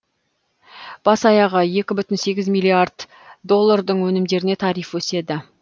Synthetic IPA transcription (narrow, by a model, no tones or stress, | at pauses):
b̥ɑsɑjɑʁəje̞kʲɪbʏt̪ɪnse̞ɡʲɪzmijlˠiaɾd̪ | d̪o̞lˠːaɾd̪əɴwɵnɪmd̪e̞ɾɪne̞t̪ʰɑɾijfwɵse̞d̪ɪ